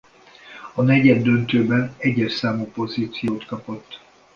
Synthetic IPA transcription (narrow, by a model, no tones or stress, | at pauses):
ɒnɛɟɛd̪ːønt̪øːbɛnɛɟːɛʃsaːmupo̞ziːt̪sijoːt̪kɒpo̞t̪ː